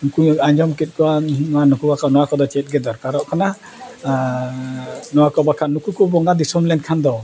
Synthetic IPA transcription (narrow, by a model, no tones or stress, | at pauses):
nukuaɲd͡ʒɔmkit̪̚ˀkɔwanɔwanukubakanɔwakɔd̪ɔt͡ʃɛt̪̚ˀɡɛd̪ɔɾkaɾɔʔkana | nɔwakɔbakʰanukukɔbɔŋɡad̪isɔmlɛnkʰand̪ɔ